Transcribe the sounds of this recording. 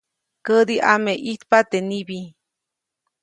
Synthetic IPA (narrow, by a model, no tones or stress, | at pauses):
kəd̪iʔameʔit̪pat̪enibi